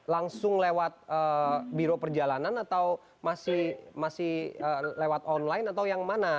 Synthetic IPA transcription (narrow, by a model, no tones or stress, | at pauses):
laŋsʊŋlewat̪̚əbiɾopərd͡ʒalananat̪aw | masɪhmasɪhəlewat̪ɔnlaɪnat̪awjaŋmana